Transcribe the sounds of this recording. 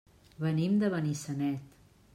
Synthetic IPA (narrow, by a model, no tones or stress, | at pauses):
βənimd̪əβənisənɛt̪